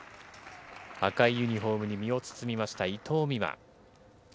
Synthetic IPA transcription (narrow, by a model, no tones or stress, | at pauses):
a̰kaijɯ̟ɲ̟iɦo̞ːmɯ̟ɲ̟imʲio̞t͡sɨ̥t͡sɨmʲimaɕi̥t̪ait̪ʰo̞ːmʲima̰